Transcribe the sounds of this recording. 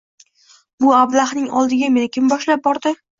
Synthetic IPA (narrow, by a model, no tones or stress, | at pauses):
bʊablˠaχnɪŋɒlˠd̪ɪɡʲame̞nɪkʲʰɪmbɒʃlap̚bɒɾd̪ɪ